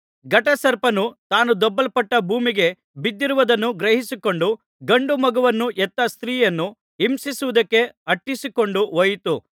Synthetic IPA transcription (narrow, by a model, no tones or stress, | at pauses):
ɡɐʈɐsɐɾpɐnut̪aːnud̪ɔbːɐlpɐʈːɐbʱuːmiɡe̞ | bid̪ːiɾuʋɐd̪ɐnːuɡɾɐɦisiko̞ɳɖu | ɡɐɳɖumɐɡuʋɐnːuʔɛt̪ːɐst̪ɾiːjɐnːu | imsisuʋud̪ɐkːe̞ɐʈːisiko̞ɳɖuʋojt̪u